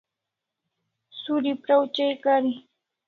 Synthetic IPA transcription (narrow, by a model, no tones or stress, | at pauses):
sʊɾɪpɾawt͡ʃajkaɾɪ